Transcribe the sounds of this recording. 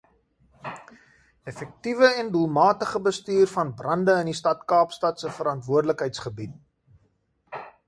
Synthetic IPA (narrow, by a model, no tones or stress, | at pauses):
ɛfɛk̚tivəɛndulˠmɑːtəχəbəstyːrfɐnbrɐndəənistɐtkɑːpstɐtsəfəɾɐntvuərdləkɦɛjtsχəbit̚